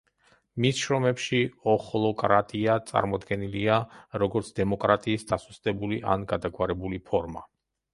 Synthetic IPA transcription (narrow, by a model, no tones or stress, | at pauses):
misʃɾɔmɛpʃiɔχɔlˠɔkʼɾat̪ʼiat̪sʼa̰ɾmɔd̪ɡɛniliaɾɔɡɔɾt̪sʰd̪ɛmɔkʼɾat̪ʼiːsd̪asust̪ʼɛbuliʔa̰nɡad̪aɡwaɾɛbulipʰɔɾma